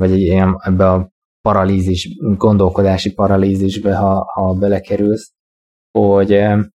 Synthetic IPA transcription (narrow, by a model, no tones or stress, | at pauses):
vɒɟɛiɛnɛbːɛɒ | pɒɾɒliːziʒɡo̞nd̪o̞lko̞d̪aːʃipɒɾɒliːziʒbɛɦɒhɒbɛlɛkɛɾyls | hoɟ